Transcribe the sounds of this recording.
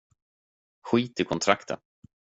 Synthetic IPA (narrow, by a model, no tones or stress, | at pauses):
ɧiːt̪ɪkʰɔnt̪ʰɾakt̪ə̰n